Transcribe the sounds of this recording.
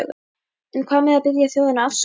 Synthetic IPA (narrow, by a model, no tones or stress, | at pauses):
ɣʏ̰ | ɛnkʰvaːmɛðaðpɪðjaθjowðɪnaafs